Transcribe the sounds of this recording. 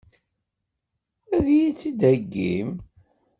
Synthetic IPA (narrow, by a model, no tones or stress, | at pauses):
æðjit͡sːid̪æɡːḭm